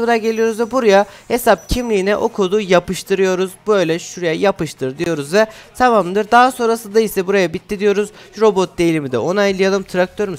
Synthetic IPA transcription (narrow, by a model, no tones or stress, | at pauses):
ɯnaɟe̞lʲijo̞ɾuzvɛbuɾajahesap̚cʰimlʲiːnɛʔo̞kʰod̪ujapɯʃt̪ʰɯɾɯjo̞ɾuzbø̞jlʲɛʃuɾajajapɯʃt̪ʰɯɾd̪ijo̞ɾuzvɛt̪ʰamamd̪ɯɾd̪aso̞nɾasɯnd̪aisɛbuɾajabit̪ʰːid̪ijo̞ɾuzɾo̞bo̞t̪̚d̪ejilʲimid̪ɛ̰ʔo̞najlˠɯjalˠɯmt̪ʰɾak̚t̪ʰøɾim